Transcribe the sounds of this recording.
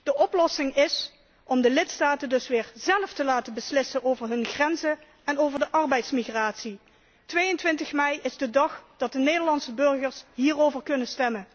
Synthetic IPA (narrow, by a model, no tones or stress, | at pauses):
d̥əʔɔplɔsɪŋɪs | ʔɔmdəlɪtstaːtəndɵsʋɪːɹzɛləftəlaːtənbəslɪsənʔowvəɹɦɵnχrɛnzə | ɛnowvəɹdəʔɑɹbɛjtsmiɣraːtsi | tʋejəntʋɪntəxmɛjɪzdədɑxd̥ɑt̚dənejdəɹlɑnsəbɵɹχəɹsɦiːrowvəɹkɵnənstɛmən